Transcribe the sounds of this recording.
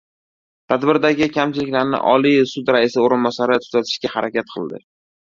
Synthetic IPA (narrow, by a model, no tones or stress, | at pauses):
t̪ʰad̪bɪɾd̪aɡʲɪkʲʰamt͡ʃɪlɪkʲlaɾnɪ̰ʔɒlijsʊd̪ɾaɪsɪoɾɪnbɒsaɾɪt̪ʰʊ̥zat̪ʰɪ̥ʃkʲahaɾakʲat̪qʰɨlˠd̪ɪ̰